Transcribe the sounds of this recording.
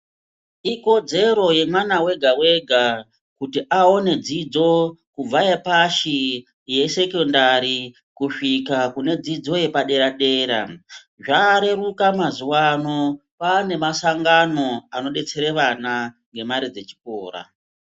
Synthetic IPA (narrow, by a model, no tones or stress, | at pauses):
iko̞d͡ze̞ɾo̞je̞mwanawe̞ɡʱawe̞ɡʱa | kutiʔao̞ne̞d͡zid͡zo̞kub͡vajepaʃi | je̞se̞kondaɾi | kuʂikakune̞d͡zid͡zo̞je̞paɗe̞ɾaɗe̞ːɾa̰ | ʐaɾe̞rukamazuwano̞ | paːne̞masaŋɡano̞ano̞ɗe̞t͡se̞ɾeʋana | ŋɡe̞maɾid͡ze̞t͡ʃi̥ko̰ːɾa̰